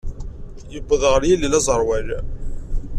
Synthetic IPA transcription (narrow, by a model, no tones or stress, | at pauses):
jəbːəðˤʁəɾjælːilæzˤəɾˤwæl